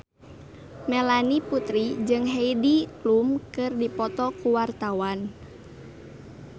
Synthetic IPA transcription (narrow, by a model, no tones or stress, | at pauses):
mɛlaniput̪ɾid͡ʒɨŋɦeidiklumkɨrdipɔt̪ɔkuwart̪awan